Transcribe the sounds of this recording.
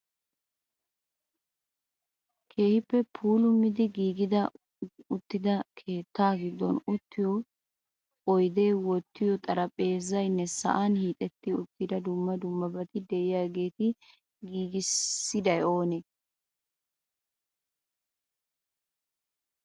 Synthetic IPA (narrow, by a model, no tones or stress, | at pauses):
kʰe̞ːhɪpːɛpʰuːlʊmːɪd̪ɪɡiːɡɪd̪ɐ | ʊt̪ːɪd̪ɐkʰe̞ːt̪ːaːɡɪd̪ːɔnʊt̪ːɪjɔ | ɔjd̪e̞ːwɔt̪ːɪjɔt̪ʼɐɾɐpʼe̞ːzɐjnːɛsɐ̰ʔanhiːt̪ʼɛt̪ːɪʊt̪ːɪd̪ɐd̪ʊmːɐd̪ʊmːɐbɐt̪ɪd̪ɛɪjaːɡe̞ːt̪ɪ | ɡiːɡɪsːɪd̪ɐjo̞ːne